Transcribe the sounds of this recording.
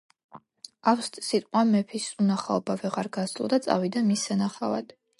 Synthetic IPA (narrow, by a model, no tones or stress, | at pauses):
afst̪ʼsit̪ʼqʼwamɛpʰisunaχaɔbavɛʁaɾɡasd̪lˠɔd̪at̪sʼa̰vid̪amisanaχava̰d̪̥